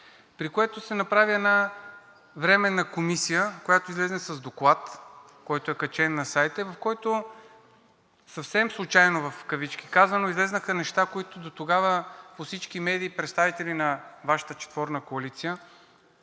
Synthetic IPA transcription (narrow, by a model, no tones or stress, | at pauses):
pɾikoɛt̪osɛnɐpɾaviɛna | vɾɛmɛnɐkomisijəkojat̪oizlɛznɛsɐzd̪oklˠat̪ | kɔjt̪oɛkɐt͡ʃɛnːɐsajt̪əivɐfkɔjt̪o | sɐfsɛmslˠʊt͡ʃajnovɐfkɐvit͡ʃkʲi̥kazvənoizlɛznəxənɛʃt̪akoit̪od̪ot̪oɡavəposit͡ʃk̟imɛd̪iːpɾɛt̪st̪avit̪ɛlinɐvaʃə̥t̪ət͡ʃɛ̥t̪vɔɾnəkoɐlit̪sijə